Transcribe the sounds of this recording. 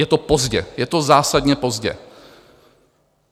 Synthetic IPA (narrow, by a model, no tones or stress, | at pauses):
jɛt̪opozɟɛjɛt̪ozaːsadɲɛpo̞zɟɛ̰